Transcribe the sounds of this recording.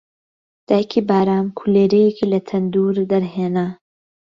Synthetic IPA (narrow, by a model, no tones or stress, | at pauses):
d̪̥aːjkʰibaːɾaːmkʰuleːɾejekʰilɐt̪ʰɐnd̪uɾd̪ɐɾɦeːna